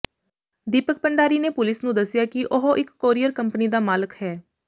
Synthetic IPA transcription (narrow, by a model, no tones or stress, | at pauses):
ɖiːpək̚pəɳɖaːɾiːneːpʊlɪsnũːd̪əsːɪjaːkɪʔʊɦoʔɪkːoːɾiːəɾkəmpəniːd̪aːmaːləkhɛː